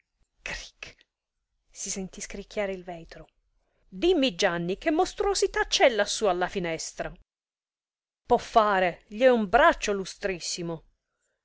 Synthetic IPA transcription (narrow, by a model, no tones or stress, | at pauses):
kɾi̥k | sisent̪iskɾikʰʲːjaːɾeilvɛːt̪ɾo | d̪imːid͡ʒanːikemːost̪ɾosit̪at͡ʃːɛlːasːualːafinɛst̪ɾa | pɔfːaːɾeʎiɛumbɾat͡ʃːolust̪ɾisːimo